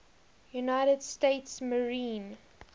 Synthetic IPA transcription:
junaɪɾədsteɪtsməɹĩːn

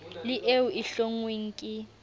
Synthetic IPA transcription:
lɪʔewuiɬoŋweŋ̩ːkʼɪ

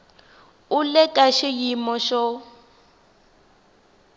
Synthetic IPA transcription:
ulɛkʼaʃijimɔʃɔ

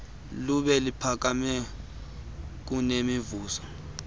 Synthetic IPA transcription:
luɓɛlipʰak̬amɛ | k̬unemivuːsɔ̥

